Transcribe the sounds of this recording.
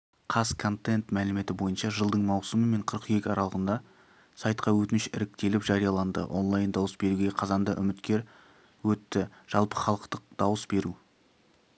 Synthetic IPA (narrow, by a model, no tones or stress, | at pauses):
qʰɑskʰo̞nt̪e̞nt̪mælɪme̞t̪ɪbo̞jənʃɑʒəlˠd̪əɴmɑwsəməme̞ɴqʰəɾəqje̞kʲɪɑɾʔɑlˠəʁənd̪ɑ | sɑjt̪qɑwɵt̪ɪnɪʃɪ̰ɾɪk̚t̪e̞lɪpʒ̥ɑɾijɑlˠɑnd̪ə̰ʔo̞̰nlˠajnd̪ɑwəsbe̞ɾuɡʲe̞qʰɑzɑnd̪əʔʏ̰mɪt̪kʲe̞ɾ | wɵt̪ːɪʒ̥ɑlˠpə̥χɑlˠəqt̪əq̚d̪̥ɑwəsbe̞ɾu